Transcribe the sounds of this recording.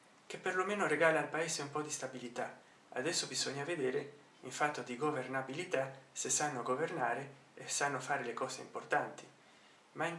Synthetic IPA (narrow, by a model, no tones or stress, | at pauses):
k̟epːerlomeːnoɾeɡaːlaːlpaeːseumpɔd̪ist̪abilit̪a | a̰d̪ɛsːobizɔɲːaved̪eːɾe | iɱfat̪ːod̪iɡovernabilit̪asesanːoɡovernaːɾe | esːanːofaːɾelekɔːsḛḭmport̪ant̪i | mai